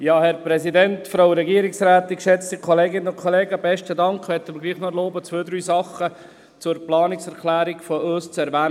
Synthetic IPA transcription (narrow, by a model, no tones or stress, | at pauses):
jɑːhɛɾpɾɛsidɛntfɾaʊɾɛɡiːɾɪksɾæːt̪ɪkʃɛt͡stikʰɔleːɡɪnənʊnkʰɔleːɡəbɛʃtədɑŋkχʋɛt̪əməɾɡliːχnɔloːbət͡sʋøːd̪ɾyːsɑχə | t͡sʊɾplɑːnɪksɛɾkʰlæːɾiɡfɔøːst͡sɛɾʋæː